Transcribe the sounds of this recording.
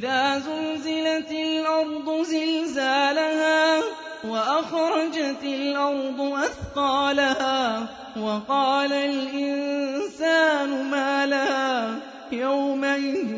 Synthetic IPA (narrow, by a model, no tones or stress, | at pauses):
ʔɪðaːzʊlzɪlat̪ɪlʔɑɾˤd̪ˤʊzɪlzaːlahaː | waʔaxɾˤɑd͡ʒat̪ɪlʔɑɾˤd̪ˤʊʔaθqɑːlahaː | wɑqɑːlalʔɪnsaːnʊmaːlahaː | jawmaʔɪð